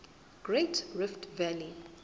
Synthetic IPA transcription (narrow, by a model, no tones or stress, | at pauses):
ɡ̥ɹetɹɪftvɛli